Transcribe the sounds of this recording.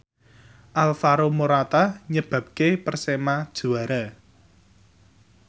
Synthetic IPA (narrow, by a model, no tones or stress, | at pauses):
ʔalfaɾomoɾat̪aɲəb̥a̤p̚kepərsemad̥ʒ̥ṳaɾa